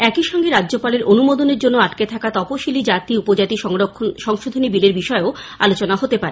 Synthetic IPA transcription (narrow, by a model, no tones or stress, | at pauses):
ɛkiʃɔŋɡeɾadʑopaleɾʔonumod̪oneɾd͡ʑonːoaʈket̪ʰakat̪ɔpoʃilid͡ʑat̪iupod͡ʑat̪iʃoʃɔŋʃod̪ʱonibileɾbiʃɔeo | a̰lot͡ɕonaɦot̪epaɾe